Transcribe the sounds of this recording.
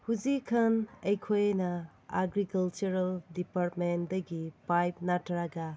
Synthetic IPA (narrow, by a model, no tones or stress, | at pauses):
huzikʰɐnɐjkʰojnɐ | aɡɾikɐlt͡ʃuɾɐldipaɾtmendɐɡipajp̚natɾaɡɐ